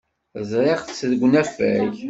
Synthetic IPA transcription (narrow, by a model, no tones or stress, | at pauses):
zˤɾˤeʁθsːðɡʷnæfæ̰ç